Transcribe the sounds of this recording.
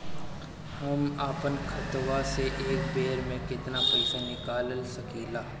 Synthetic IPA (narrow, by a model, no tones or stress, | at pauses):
hɐmaːpənkʰɐt̪waseʔeːkbeːɾmẽkɪt̪napɐɪsanɪkaːllsɐkiːlaː